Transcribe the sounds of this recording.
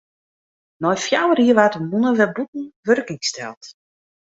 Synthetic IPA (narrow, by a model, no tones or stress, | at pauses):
nɔjfjawəriəʋatəmunəʋɛbut̚n̩ʋørkɪŋstɛ̰lˠt